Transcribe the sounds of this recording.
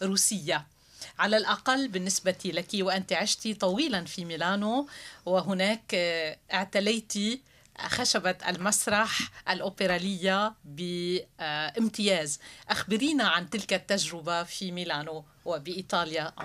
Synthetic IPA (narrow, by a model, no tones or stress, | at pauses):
ɾuːsɪjːa | ʕalalʔaqalːbɪnːɪsbat̪ilakiwʔɪnt̪iʕɪʃt̪it̪ˤɑwiːlanfimilaːnowɪɦʊnɛːkʔɪʕt̪alajt̪i | xaʃabat̪a̰lmasɾˤɑħʔalʔoːpɪɾaːlɪjːabɪ | ʔɪmt̪ɪjɛːzʔaxbɪɾiːnaʕant̪ɪlkat̪ːaʒɾɪbafimilaːno | wɪbɪʔiːt̪ˤɑːlja